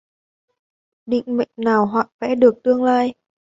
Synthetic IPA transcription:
ɗḭ˧˨ŋ̟mə̰˧˨ŋ̟naː˨˩wɦwaː˧˨˩fɛ̰˧˥ɗɨ˨˩ək̚t̪ɨ˧əŋlaː˧j

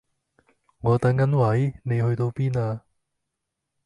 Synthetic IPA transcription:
ŋɔː˨˧t̪ɐ˨˥ŋːɐ˨˥nwɐ˨˥jne˨˧jhɵ˧ɥt̪o˧wpiː˥naː˧

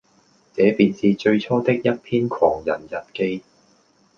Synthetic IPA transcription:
t͡sɛː˨˥piː˨nsiː˨t͡ʃɵ˧ɥt͡ʃʰɔː˥t̪ɪ˥k̚jɐ˥t̚pʰiː˥nkʷʰɔː˨˩ŋjɐ̰˨˩njɐ˨t̚ke˥j

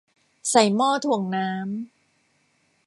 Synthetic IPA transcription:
sa˨˩jmɔː˥˩t̪ʰu˨˩əŋnaː˦˥m

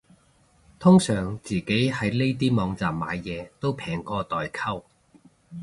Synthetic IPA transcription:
t̪ʰʊ˥ŋsœː˨˩ŋt͡siː˨ke˨˥jhɐ˨˥jle˥jt̪̬iː˥mɔː˨˧ŋt͡saː˨mːaː˨˧jːɛː˨˧t̪o˥wpʰɛː˨˩ŋkɔː˧t̪ɔː˨jkʰɐ˥w

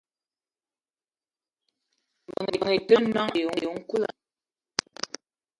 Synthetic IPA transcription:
m˨bə˨ŋe˨ə˨ŋe˨tə˦nɔ˦ŋ˨jo˨jo˨˦ŋ̩˦ku˦la̰˨

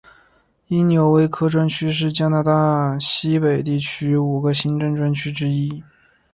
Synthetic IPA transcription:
i˥njo˧˥ʊwe˧˥ɪkʰɤ˥ʈ͡ʂwa˥nt͡ɕʰy˥ʂ̬ɻ̩˥˩t͡ɕja˥na˧˥d̪a˥˩ɕi˥pe˨˩ɪt̪i˥˩t͡ɕʰy˥u˨˩ɡə˦ɕi˥nʈ͡ʂə˥˧ŋʈ͡ʂwa˥nt͡ɕʰy˥ʈ͡ʂɻ̩˥i˥

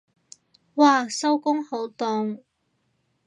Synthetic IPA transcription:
waː˧˩sɐ˥wkʊ˥ŋho˨˥wt̪ʊ˧ŋ

